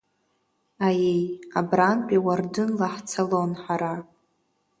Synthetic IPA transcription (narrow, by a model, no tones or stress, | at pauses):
ajejabranpʼiwardɨnlaħt͡sʰalonħaɾa